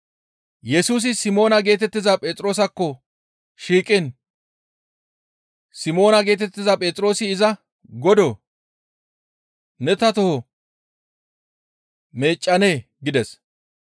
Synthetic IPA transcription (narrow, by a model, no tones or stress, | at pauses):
jɛsuːs̬ɪsɪmo̞ːnɐɡe̞ːt̪̬ɛt̪ːɪzɐpʼɛːt̪ʼɾo̞ːsɐkːɔ | ʃiːkʼːɪn | sɪmo̞ːnɐɡe̞ːt̪̬ɛt̪ːɪzɐpʼɛːt͡s̪ʼɾo̞ːsɪɪzɐ | ɡɔd̪ɔ | nɛt̪ɐt̪ɔhɔ | me̞ːt͡ʃʼːɐne̞ː | ɡɪd̪ɛs